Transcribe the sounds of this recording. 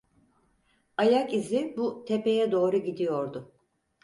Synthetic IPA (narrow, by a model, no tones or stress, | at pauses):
ajakizɪbut̪ʰe̞pe̞jɛd̪o̞ːɾuɟid̪ijo̞ɾd̪ʊ